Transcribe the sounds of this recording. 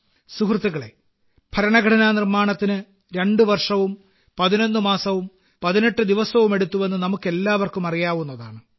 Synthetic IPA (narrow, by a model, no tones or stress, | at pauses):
sukrɨt̪ːiɣɐɭe̞̰ | b̥ʱɐɾɐɳɐɡʱɐʈʰɐnaːnirmaːɳɐt̪ːinɨ | ɾe̞ɳɖɨʋɐrʂɐʋum | pɐðinonːɨmaːsɐʋum | pɐðine̞ʈːɨd̪iʋɐsɐʋume̞ɽut̪ːuʋe̞nːɨnɐmukːe̞lːaːʋɐrkumɐrijaːʋunːɐðaːɳɨ